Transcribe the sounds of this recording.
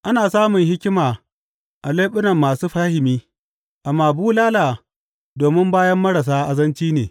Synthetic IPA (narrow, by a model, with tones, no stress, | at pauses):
ʔa˦naː˨saː˦mʊ˨ŋhɪ˦kʲɪ˦maː˨ | ʔa˨leː˦ɓʊ˦nɐ˨mːaː˨suː˦ɸaː˦hɪ˨miː˦ | ʔa˨mːaː˨buː˦laː˦laː˨ | doː˨mɪ˦mbaː˦jɐ˦mːɐ˦ɾa˨s̬aː˦ʔa˨zɐ˦nt͡ʃiː˦neː˨